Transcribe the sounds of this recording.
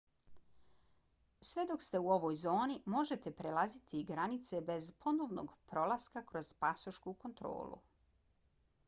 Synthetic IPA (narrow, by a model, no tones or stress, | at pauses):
sʋe̞d̪o̞kst̪e̞uo̞ʋo̞ːjzo̞ːnimo̞ʒe̞t̪e̞pɾelazit̪ʰiɡɾanit̪se̞be̞zpʰo̞no̞ːʋno̰ɡpɾo̞lˠaskakɾo̞z̥pasoʃkuko̞nt̪ɾo̰ːlṵ